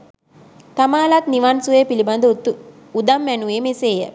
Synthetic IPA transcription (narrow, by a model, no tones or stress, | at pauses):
t̪amaːlat̪niʋansuʋeːpiliband̪əut̪u | ud̪amːænuʋeːmeseːjə̰